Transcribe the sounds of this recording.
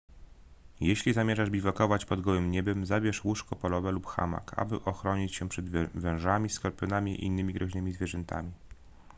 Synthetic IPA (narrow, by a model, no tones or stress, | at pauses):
jeɕlʲizamʲjɛʐaʐbʲivɔkɔvat͡ɕpɔd̪ɡɔwɘmɲɛbɛmzabʲjɛʂwuʂkɔpɔlɔvɛlupxa̰ma̰ka̰bɘ̰ʔɔxɾɔɲit͡ɕɕɛpʂɛd̪vɛ̃w̃ʐamʲiskɔɾpʲɔnamʲḭḭnːɘmʲiɡɾɔʑnɘmʲizvʲjɛʐɛnt̪a̰mʲi